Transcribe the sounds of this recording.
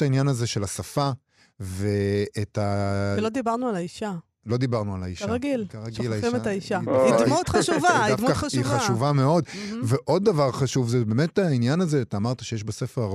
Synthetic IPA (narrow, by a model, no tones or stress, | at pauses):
ainjanazeʃelasafa | veetalod̪ibaʁnualaiʃa | lo̞d̪ibaʁnuala̰iʃʁaɡilkaʁaɡilaimetaiʃaidmut̪χʃuvaad̪fkaʃiχaʃʃuvame̞o̞dve̞ʔo̞d̪̚ːavaʁχaʃuvzebeːme̞tainjanazet̪aːmaʁt̪aʃejeʃbasefeʁa